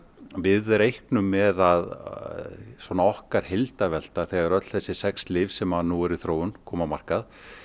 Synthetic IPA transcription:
vɪðɾejhknʏmːɛðað | svɔnaɔhkaɾ̥hejlt̪avɛl̥t̪aθɛɣaɾœt̪l̥θɛsːɪsɛkslɪːvsɛmaðnuwɛɾiθɾoːwʏnkʰɔːmamar̥kað

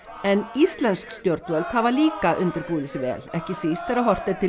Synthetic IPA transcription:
ɛnist̪lɛnskst̪jɔɾt̪vœlphavaliːkaʔʏnt̪ɪɾpuːðɪsɪvɛ̰ːlɛhcɪsist̪θɛɾaɦɔr̥t̪ɪt̪ʰɪ

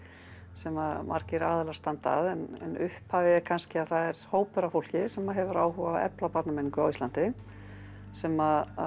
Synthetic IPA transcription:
sɛmamʔa̰ɾcɪɾaːðɪlaɾ̥st̪ant̪a̰ðɛnɛ̰nʏhphaːvɪɛkʰanscɪaðθaðɛɾ̥hoːwpʏɾafowl̥cɪsɛmaðɦɛvʏɾaːwɦuvaɛ̰plapaɾt̪nameniŋkʏawist̪ant̪ɪ | sɛmað

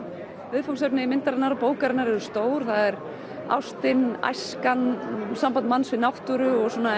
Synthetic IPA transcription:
vɪðfoks̬ɛpnɪimɪnt̪aɾɪnːaɾɔpoːwkaɾɪnaɾɛðʏst̪oːwɾ̥θaðɛɾ | a̰wst̪ɪna̰jskansampanmansvɪðnawht̪ʏɾʏɔɣsuːna

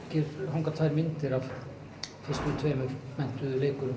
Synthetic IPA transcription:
cɪɾhawŋkat̪ʰaːjɾmɪnt̪ɪɾav | fɪst̪ʏt̪ʰveːmʏɾmɛn̥t̪ʏðʏleːkʏɾ

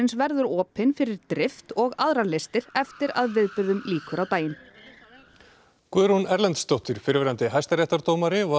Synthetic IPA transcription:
ɪnsvɛɾðʏɾɔːpɪnfɪɾɪɾt̪ɾɪft̪ɔɣaðɾalest̪ɪɾ̥ɛft̪ɪɾa̰ðvɪðpɪɾðʏmliːkʏɾawt̪aːjɪn | kvœɾhunɛɾlɛnt̪st̪owht̪ʏɾ̥fɪɾɪvɛɾant̪ɪɦajst̪aɾjɛht̪aɾt̪owmaɾɪva

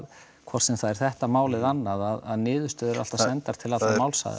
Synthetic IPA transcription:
kʰvɔr̥sɛmθaðɛɾ̥θɛht̪amaːwlɪðanːaðaðaðnɪːðʏ̥st̪œːðʏɾa̰lt̪asɛnt̪aɾ̥t̪ʰɪlaamaːwlsa̰ð̰

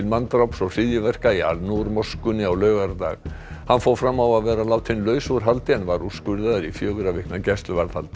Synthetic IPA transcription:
ɪlmant̪ɾawpsɔɣsɪðjʏvɛr̥kaia̰lnuɾmɔskʏnːɪawlœːɥɣaɾt̪a̰ɣ | hanːfoːwfɾamːawaðvɛːɾalaːwt̪ʰɪnlœːɥsuɾ̥ɦalt̪ɪɛnvaɾuskʏɾðaðɾifjœːɣʏɾavɪhknacɛst̪lʏvaɾðhalt̪ɪ

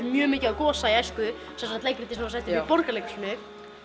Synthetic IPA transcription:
mjœːmɪːcɪakɔːsaiajskʏ | sɛ̃msḁt̪lejkːɾt̪ːisɛasɛt̪vipɔɾkalɛknɪ

